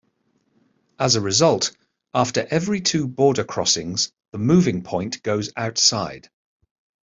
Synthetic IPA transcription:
əzəɹɪzʌlˠt | ɑˑftəɹʔɛvɹitʰʉːbɔːdəkʰɹ̥ɒ̰sɪ̃ŋz̥ | ðəmʉːvɪ̃ŋpʰɔ̃ɪ̃nɡ̥əʊza̰ʊtsaɪd̥

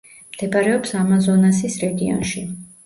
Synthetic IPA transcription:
md̪̥ɛbaɾɛɔpsamazɔnasisɾɛɡiɔ̰nʃi

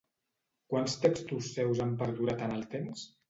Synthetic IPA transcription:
kwanst̪ekst̪usːɛwzampəɾðuɾat̪ənəlˠt̪ems

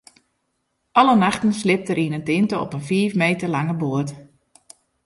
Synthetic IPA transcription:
ʔɑlənaxtənslɪp̚təɾinəntɪntəɔ̰pənfiːfmeːtəlaŋəboət

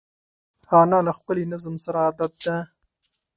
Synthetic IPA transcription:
ɑnalaxpəlinazəmsaɾaaːd̪at̪̚d̪a

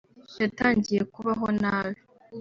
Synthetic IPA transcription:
jataːɲɟije̞kuβaɦonaːjo

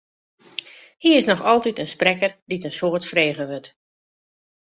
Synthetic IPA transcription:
hiəɪsnɔxɔlˠtitənsprɛkərditənsoːrtfreːɣəʋøt

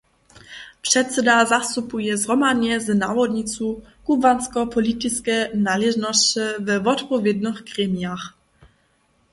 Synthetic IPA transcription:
pʂɛt̪sɛd̪azast̪upujɛzʁɔmad̪ɲɛznavɔd̪ɲitt͡s̪ukubanskɔpʰɔlit̪iskɛnalɛʒnɔst͡ɕəvɛvɔt̪pɔvʲjɛd̪nəxkɾɛmjax

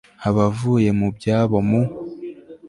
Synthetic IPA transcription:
aβavuːje̞mubjaːβo̞mu

